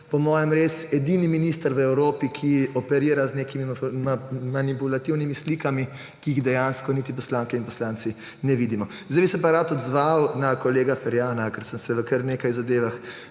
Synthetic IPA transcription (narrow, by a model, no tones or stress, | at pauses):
pɔmɔːjɛmɾeːsɛd̪iːniminiːst̪əɾʋəɛwɾoːpikʰiɔpɛɾiːɾaznekimimmanipulat̪iwnimislikami | kiːiɣd̪ɛjanskɔnit̪ipɔslaːŋkɛinpɔslaːnt̪si | nɛʋid̪imɔ | zd̪ajbisɛpaɾat̪ɔd̪zʋawnakɔleːɡafɛɾjaːnakɛɾsəmsɛʋəkəɾneːkajzad̪eːʋax